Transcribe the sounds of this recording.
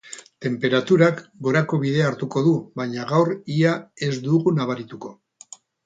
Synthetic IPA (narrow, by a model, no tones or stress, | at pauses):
t̪e̞mpe̞ɾat̪uɾakɡo̞ɾako̞β̞ið̞e̞aɾt̪uko̞ðuβajɲaɣawriae̞zd̪uɣunaβ̞aɾit̪uko̞